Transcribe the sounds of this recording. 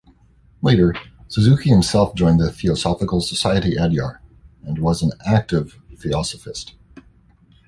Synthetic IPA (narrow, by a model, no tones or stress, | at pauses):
leɪɾə˞sɨzʉkʰihɨ̃msɛlˠfd̥ʒɔ̃ɪ̃nðɨθiəsɑfəkl̩ˠsəsaɪɨɾiʔɛdjɑ̰ɹɨ̃nwʌz̃n̩æk̚tɪv̥ | θiɑsəfɨst